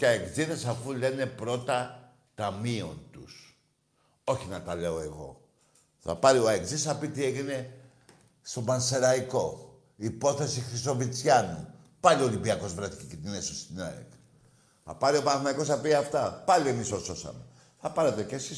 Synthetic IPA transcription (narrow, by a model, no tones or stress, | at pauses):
cɐekziðesɐfule̞ne̞pɾo̞t̪ɐ | t̪ɐmio̞nt̪us | o̞çinɐt̪ɐle̞o̞e̞ɣo̞̰ | θɐ̰pɐɾio̞ekzisθɐpit̪ie̞ʝine̞ | st̪o̞bɐnse̞ɾɐiko̞ | ipo̞θe̞sixɾiso̞vit͡sçɐnu | pɐliolimbiɐko̞zvɾɐt̪i̥cicet̪iinesost̪inɐ̰ḛk | θɐ̰pɐɾio̞pɐnɐθmɐiko̞sθɐpiɐft̪ɐpɐlie̞misoso̞sɐ̰me | θɐpɐɾe̞t̪e̞ce̞sis